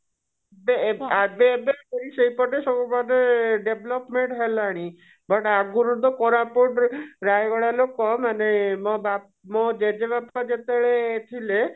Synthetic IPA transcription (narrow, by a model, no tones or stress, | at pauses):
beabebeɾiʃejpɔʈesɔbumad̪eɖeblɔpmeɳʈɦelaɽ̃i | bɔʈaɡuɾud̪ɔkɔɾapoʈɾajɡɔɭalokɔmanemɔba | mod͡ʒed͡ʒebapad͡ʒet̪eɭet̪ʰile